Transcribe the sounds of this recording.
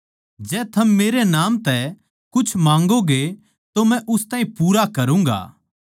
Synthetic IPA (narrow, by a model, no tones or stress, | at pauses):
d͡ʒɛːt̪ʰɐmːeːɾenaːmt̪ɛ | kʊt͡ʃʰmãːŋɡoɡe | t̪omɛ̃ʔʊst̪ãːĩpuːɾakɐɾũːŋɡa̰ː